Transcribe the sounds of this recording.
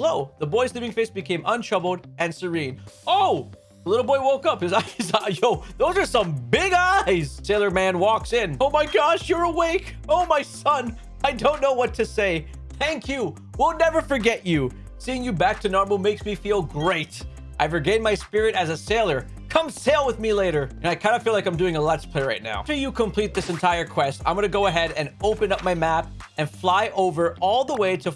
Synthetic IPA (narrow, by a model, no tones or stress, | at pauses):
loʊðəbɔɪslipɪ̃ŋfeɪsb̥ɨkʰẽɪ̃mə̃ntʰɹ̥ʌbl̩ˠdɨ̃nsə˞ĩnoʊ | ðəlɪɾl̩ˠbɔɪwoʊkʌphɨzaɪzajoʊðoʊzə˞sʌ̃mbɪɡaɪz̥seɪlˠə˞mæ̃nwɔksɪ̃noʊmaɪɡɑʃjə˞əweɪkoʊmaɪsʌ̃n | aɪdõʊ̃nːoʊwʌtʰɨseɪ | θæ̃ŋkʰjɨ | wilˠnɛvə˞fə˞ɡɛt͡ʃɨ | siɪ̃ŋjɨbæk̚tʰɨnɔɹmomeɪksmifilˠɡɹeɪt | ʔaɪvɹɨɡẽɪ̃nmaɪspɪɹɨɾɨzɨseɪlˠə˞ | kʰʌ̃mseɪlˠwəðmileɪɾə˞ɨ̃naɪkʰãɪ̃ndɨfilaɪkãɪ̃mdʉɪ̃ŋəlætspʰl̥eɪɹaɪtⁿna̰ʊtɨjɨkʰə̃mpʰl̥it̪̚ðɪsɨ̃ntʰaɪə˞kʰw̥ɛstã̰ɪ̃mɡʌnɨɡoʊəɦɛɾɨ̃noʊpɨ̃nʌp̚maɪmæp̚ | ɨ̃nflaɪʔoʊvə˞ɔlˠðəweɪɾɨ